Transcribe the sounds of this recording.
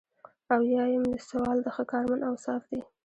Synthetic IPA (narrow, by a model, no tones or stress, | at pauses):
awjɑjɪmd̪əsawɑld̪əxəkɑɾmanawsɑfd̪i